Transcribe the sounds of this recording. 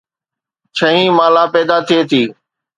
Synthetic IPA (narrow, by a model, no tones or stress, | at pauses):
t͡ʃʰəɦĩːmãːlaːpɛːd̪at̪ʰiet̪ʰiː